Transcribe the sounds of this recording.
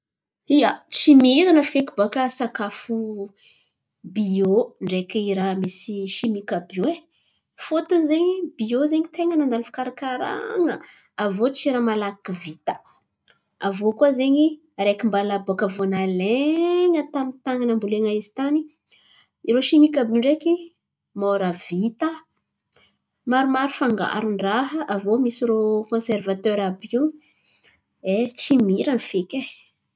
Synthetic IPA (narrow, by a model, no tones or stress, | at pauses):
iət͡ʃimiɾanəfekibakəsakafu | bioɳɖ͡ʐekiiɾamisiʃimikəbioe | fot̪uzeɲibiozeɲit̪eŋənand̪alifḁkaɾakaɾa̰ŋə | avot͡ʃiɾamalakivit̪ə̥ | avokuazeɲi | aɾekimbalabokəvonaleŋət̪amint̪aŋanambuleŋaizi̥t̪ani | iɾoʃimikabiɳɖ͡ʐeki | moɾavit̪ə | maɾumaɾufaŋɡa̰ɾuɳɖ͡ʐaɦəʔavomisiɾokɔ̃servat̪øɾabiw | et͡ʃimiɾanfeke